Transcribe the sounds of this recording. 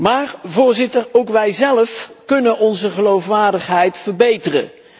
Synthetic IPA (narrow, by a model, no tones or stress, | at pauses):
maːɹvʊːɹzɪtərowkʋɛjzɛləfkɵnənɔnzəχəlowfʋaːɹdəχɦɛjtfəɹbejtərə̰